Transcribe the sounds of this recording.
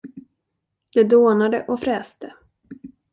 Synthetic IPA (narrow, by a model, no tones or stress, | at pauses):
d̪̥ɛd̪oːnad̪əʔɔfɾɛːst̪ə